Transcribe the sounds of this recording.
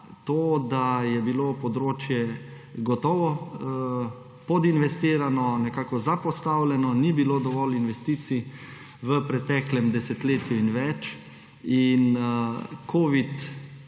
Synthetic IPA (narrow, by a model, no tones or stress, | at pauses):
t̪oːd̪ajɛbilopɔd̪ɾoːt͡ʃjɛ | ɡɔt̪ɔːʋɔ | pɔd̪inʋɛst̪iːɾanɔnɛkaːkɔzapɔst̪awlʲɛnɔnibiloːd̪ɔʋɔlinʋɛst̪iːt̪si | ʋəpɾɛt̪ɛklɛmd̪ɛsɛt̪leːt̪juinʋɛt͡ʃ | in | kʰoːʋit̪